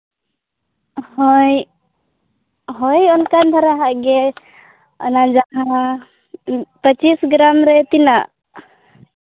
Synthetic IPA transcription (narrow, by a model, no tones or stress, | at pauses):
hɔj | ɦɔjɔnkand̪ʱaɾaɦaʔɡɛ | ɔ̰nad͡ʒaɦa | pət͡ʃisɡɾamɾɛt̪inaʔ